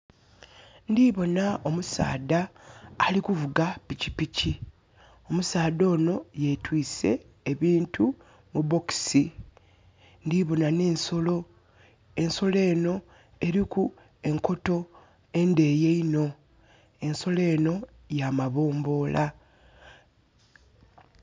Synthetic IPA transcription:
ndiβo̞nao̞musa̰ːdaːlikuvuɡapicipici | o̞musaːdo̞ːno̞je̞twiːse̞̰ː | βiːntʰu | mubo̞ki̥si | ndiβonane̞ːnso̞lo̞ | e̞nso̞le̞ːno̞ | e̞ɾiku | e̞ŋko̞to̞ | e̞nde̞je̞ino̞ | e̞nso̞le̞ːno̞ | jamaβo̞ːmbo̞ːlʔa

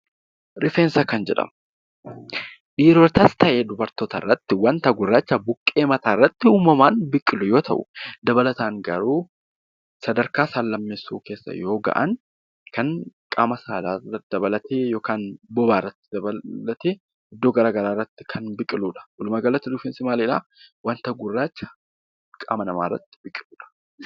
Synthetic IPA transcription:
ɾɪfeːnsɐkɐnd͡ʒɛᶑɐ̰m | ᶑiːɾoːɾt̪ɐst̪ɐʔeːd̪ʊbɐɾt̪oːt̪ɐ̰rːɐt̪ːɪwɐnt̪ɐɡʊɪrːat͡ʃːɐbʊkʼːe̞ːmɐt̪aːɪrːɐt̪ːɪuːmɐmaːnbɪkʼːɪlʊjo̞ːt̪ʰɐʔʊ̰d̪ɐbɐlɐt̪aːŋɡɐ̰ɾuː | sɐd̪ɐɾkaːsaːlːɐmːeːsːuːke̞ːsːɐ̰jo̞ːɡɐ̰ʔɐ̰n | kɐŋkʼaːmɐsaːlaːrɐt̪d̪ɐbɐlɐt̪eːjo̞ːkaːnbɔbaːrːɐt̪ːɪ̥d̪ɐbɐlɐt̪eː | ɪd̪ːoːɡɐɾaːɡɐɾaːrːɐt̪ːɪ̥kʰɐnbɪkʼːɪluːᶑɐ̥ʔɔlʊmaɡɐlɐt̪ːɪd̪ʊfɪnsɪmaːleːᶑa̰wɐnt̪ɐɡʊrːaːt͡ʃːɐ̥ | kʼa̰ːmɐnɐma̰ːrːɐ̰t̪ːɪ̥bɪkʼːɪluːᶑɐ̥

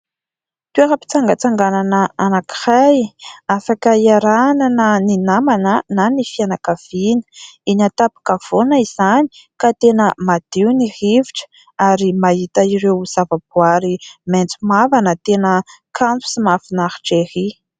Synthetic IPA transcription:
t̪ueɦəpi̥t͡saŋɡət͡saŋɡananəanaki̥rajafakaiaɾananəninamanənanifianakav̥inə̥iɲat̪apḁkəv̥onəiz̥ani̥kat̪enəmad̪̥iwnihiviʈ͡ʂə̥ | aɾimait̪aiɾewz̥avabuaɾiment͡sumavanət̪enəkʰampu̥simafinaχi̥ʈ͡ʂehi

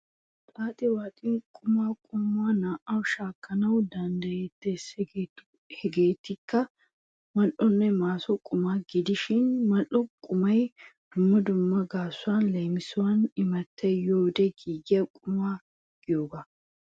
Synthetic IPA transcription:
t̪ʼaːt̪ʼɪwaːt̪ʼɪnkʼʊmaːkʼʊmːwaːnaːʔɐwʃaːkːɐnɐwd̪ɐnd̪ɐjeːt̪ːes | hɛɡeːt̪ːɪkːɐ | mɐʔːɔnːɛmaːsɔkʼʊmaːɡɪd̪ɪʃɪnmɐlːɔkʼʊmɐjd̪̥ʊmːɐd̪ʊmːɐɡaːsːʊwanlejmɪsʊwanɪmɐt̪ːɛjoːd̪ɛɡiːɡɪjɐkʼʊmaː | ɡ̥ɪjoːɡɐ

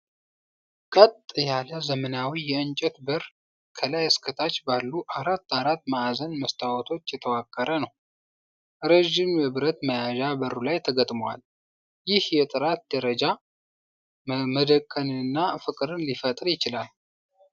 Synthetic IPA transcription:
kʼət̪ʼjaləzəmənawijɛɨnt͡ʃʼɛt̪bəɾ | kʰəlajəskʰət̪ʰat͡ʃːbalːuʔaɾat̪ːaɾat̪ːməːzənməst̪ʰʼawɔt̪ʰo̞t͡ʃːjɛt̪ʰəwakʼːəɾənəw | ɾeʒɪmjɛβɨɾət̪məjaʒabəɾulajt̪ʰəɡət̪ʼmwa̰l | jɪhjɛt̪ʼɨɾat̪̚d̪əɾəd͡ʒa | məd̪əkʼːənɨɨnːafɨkʼɾɨnlifət̪ʼɾjɪt͡ʃɪlal

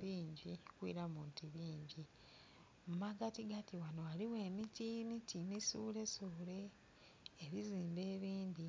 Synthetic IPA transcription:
iːɲɟikwiːɾamuːntiβiːɲɟi | mmaɡatiɡatiwanoaliwe̞ːmitimitimisuːle̞sule̞ː | βiziːmbe̞ːβiːndi

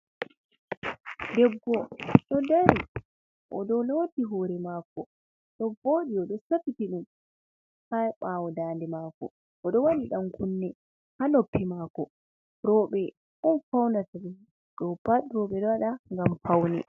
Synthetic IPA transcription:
dɛɡːɔɗɔdaɾi | ʔɔdɔloːtiɦɔːɾɛmaːkɔ | ɗɔboːɗiɔɗɔsapitiɗum | hajɓawɔdaːndɛmaːkɔ̰ | ʔɔɗɔwaniɗamkunːɛ | hanopːimakɔ | ɾɔɓɛ | ʔɔnfawndataɓɛ | ɗɔpaɗɾɔɓɛɗɔwaɗaŋɡamfawnɛ̰

